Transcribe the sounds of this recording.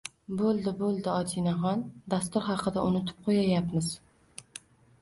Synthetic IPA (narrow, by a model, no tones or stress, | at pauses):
bolˠd̪ɪbolˠd̪ɪɒd͡ʒ̪inaɦɒnd̪ast̪ʊɾɦɑqʰɨd̪aʊnʊt̪ʰɪ̥p̚qʰojajapmɪz